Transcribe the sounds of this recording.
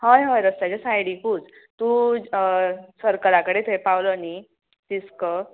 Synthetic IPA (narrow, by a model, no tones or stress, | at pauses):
həjɦəjɾəst̪at͡ɕasajɽikuːd͡z | t̪u | səɾkəɾakəɽet̪ʰəjpawləni | t̪iskə